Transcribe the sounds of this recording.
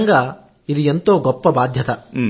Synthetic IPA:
ŋɡa | id̪ient̪oːɡɔpːɐbaːd̪ʱjɐt̪ɐ

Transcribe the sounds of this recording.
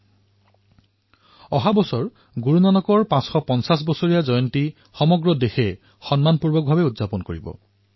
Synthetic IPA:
ɔɦabɔsɔɹ | ɡuɹunanɔkɔɹpãsxɔpɔnsas̬bɔsoɹijazɔjɔnti | xɔmɔɡɹɔdexɛ | xɔnmanpuɹbɔk̚bʱabɛudzapɔnkoɹibɔ̰

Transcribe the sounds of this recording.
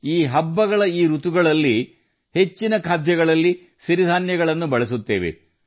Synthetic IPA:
iːɦɐbːɐɡɐɭɐiːɾut̪uɡɐɭɐlːi | he̞t͡ʃːinɐkʰaːd̪ʱjɐɣɐɭɐlːi | ʃiɾid̪ʱaːnjɐɡɐɭɐnːubɐɭɐsut̪ːeːʋḛ

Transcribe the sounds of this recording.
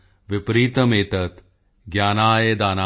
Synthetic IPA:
ʋipɾiːt̪ɐmeːt̪ɐt̪ | ɡjaːnaːjed̪aːna

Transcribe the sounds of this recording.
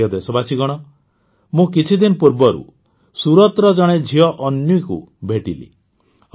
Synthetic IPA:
ɔd̪esɔbasiɡɔɽ̃ɔ | mũkit͡ʃʰid̪inɔpuɾbɔɾṵ | suɾɔt̪ɾɔd͡ʒɔɽ̃ed͡ʒʱiɔʔɔnjuikṵbʱeʈḭlḭ

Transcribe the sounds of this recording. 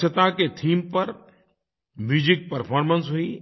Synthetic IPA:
ət̪aket̪ʰiːmpɐɾ | ʋiːd͡ʒɪk̚pɐɾpʰɔːɾmənsɦʊi

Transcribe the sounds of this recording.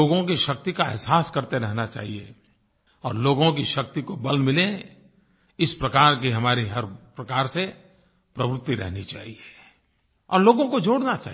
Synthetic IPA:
oːɡõkiʃɐk̚t̪ikaɪɦsaːskɐɾt̪eɾɛɦnat͡ʃa̰ːɦiḛ | ɔːɾloːɡõk̬iʃɐk̚t̪ikobɐlmɪlẽ | ɪspɾɐkaːɾkiɦɐmaːɾiɦɐɾpɾɐkaːɾse | pɾɐʋɾɪt̪ːiɾɛ̰ɦnit͡ʃa̰ːɦie | ɔ̰ːɾloːɡõkod͡ʒoːɽnat͡ʃa̰ːɦ

